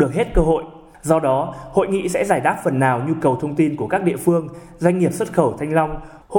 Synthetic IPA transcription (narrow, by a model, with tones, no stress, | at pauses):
ɨ˨˩ək̚he˦˥t̚kəː˧ɦo̰˧˨jʔ | zɔ˧ɗɔ˨˦ho̰˧˨jŋḭ˧˨sɛ̰˧˥zaː˧˩jt̪aː˦˥k̚fə˨˩nːaː˨˩wɲu˧kə˨˩wt̪ʰə˧wŋ͡mt̪i˧nku˧˩əkaː˦˥k̚ɗḭ˧˨əfɨ˧əŋ | zwa˧jŋ̟ŋi˨˩əp̚swə˦˥t̚xəː˧˩wt̪ʰa˧jŋ̟la˧wŋ͡m | h